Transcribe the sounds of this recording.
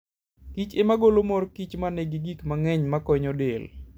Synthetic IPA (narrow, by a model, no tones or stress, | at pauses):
kit͡ʃemaɡolomɔɾkit͡ʃmaneɡiɡikmaŋɛɲmakɔɲɔdel